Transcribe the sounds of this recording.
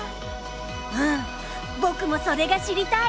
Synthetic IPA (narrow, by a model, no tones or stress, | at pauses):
ɯ̟̃ | bo̞kɯ̟mo̞so̞ɾe̞ɡaɕiɾʲit̪a